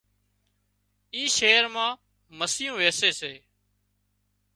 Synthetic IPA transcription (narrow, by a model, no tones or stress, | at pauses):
iːʃeːɾmãː | məsɪjũːʋeːseːseː